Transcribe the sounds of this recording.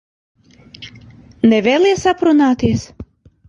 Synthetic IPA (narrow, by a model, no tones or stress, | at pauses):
nɛvʲeːlʲˠiɛsapɾunaːt̪iɛs